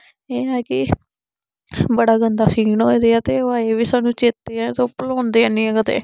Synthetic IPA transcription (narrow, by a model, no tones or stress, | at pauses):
eːɛːkɪ | bəɽaːɡənd̪aːsĩːɡnod̪eːaːt̪eːoaːeːʋiːsaːnũːt͡ʃeːt̪ːeːɛ̃t̪oːpəloːnd̪eːaːnĩɛ̃kət̪ḛː